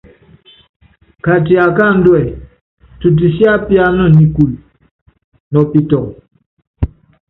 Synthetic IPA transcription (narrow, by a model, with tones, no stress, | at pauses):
ka˨ti˨a˨ka˦˨n̩˦dwɛ˨ | tu˨t̬i˨sja˦pja˦nə˦˨ni˨ku˨l | nɔ˨pi˨tɔ˨k